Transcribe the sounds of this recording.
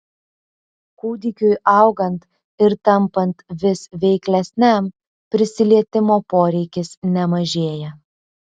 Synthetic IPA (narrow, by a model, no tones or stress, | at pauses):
kuːd̪ʲɪkʲʊjɐʊɡɐnt̪ | ɪɾt̪ɐmpɐnt̪ʋʲɪsʋʲɛɪklʲɛsʲnʲɛm | pʲɾʲɪsʲɪlʲiɛt̪ʲɪmoːpoːɾʲɛɪkʲɪsnʲɛmɐʒʲeːjɛ